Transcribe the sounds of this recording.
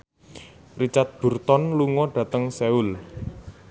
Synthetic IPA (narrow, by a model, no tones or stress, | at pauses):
rit͡ʃat̪̚b̥ṳrt̪ɔnluŋɔɖ̥ä̤t̪əŋseul